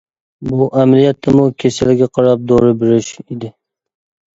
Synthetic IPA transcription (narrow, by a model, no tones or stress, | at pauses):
bʊʔamlɪjat̪ːɪmʊkʲʰesalɪɡʲaqʰɑɾap̚d̪oɾɪbɪɾɪʃed̪ɪ